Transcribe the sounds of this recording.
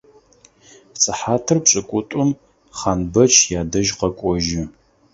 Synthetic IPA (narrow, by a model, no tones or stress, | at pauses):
pt͡sʼɨħaːtʰɨrpɕʼɐkʷʼʊtʼʊm | χaːnbɐt͡ʃʰjaːdɐʒqɐkʷʼɔʒɪ